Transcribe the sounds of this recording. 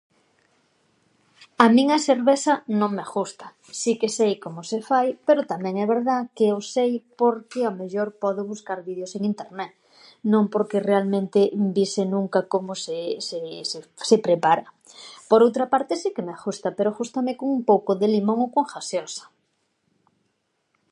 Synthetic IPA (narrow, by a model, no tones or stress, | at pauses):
amĩŋɐseɾβesɐnõŋmexust̪ḁ | sikesejkomosefajpeɾot̪amɛ̃ŋɛβeɾðakeosejpoɾkɪameʎoɾpɔð̞ʊβuskaɾβið̞joseŋint̪eɾnɛt̪ | nõŋpoɾkerealmẽnt̪ɪbisɪnũŋkakomosesessepɾepaɾɐ | poɾowt̪ɾɐpaɾt̪ɪsikemexust̪ɐpeɾoʝust̪amɪkoŋumpowkoðelimõŋokoŋxasjosḁ